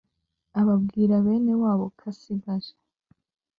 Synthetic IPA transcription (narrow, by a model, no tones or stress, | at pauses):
aβabɡiːɾaβe̞ːne̞waːβo̞kʰasiɡaʒḁ